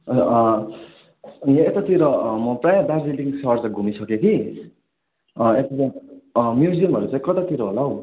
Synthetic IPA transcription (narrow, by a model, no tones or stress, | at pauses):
jeet̪at̪iɾʌmʌprajad̪arbiliŋsʌrt͡saj̃ɡʱumisʰʌkekʰi | et̪at͡saj̃mjuziʌmɦʌɾut͡sãĩkʌt̪at̪iɾʌɦolaw